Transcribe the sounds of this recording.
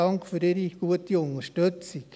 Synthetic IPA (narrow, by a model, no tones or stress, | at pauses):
ɑŋkfyːɾeɾiɡ̥uətiʊnəʃtøt͡sɪ